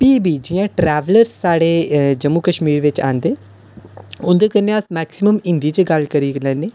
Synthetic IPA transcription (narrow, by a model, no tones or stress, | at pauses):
piːbiːd͡ʒɪjãːʈɾɛːʋləɾsːaːɽeːd͡ʒəmːuːkəʃmiːɾʋɪt͡ʃa̰ːnd̪eː | ʊnd̪eːkəneəsmɛːksɪməmɪ̃nd̪iːt͡ʃəɡəlkəɾiːɡlə̃ːneː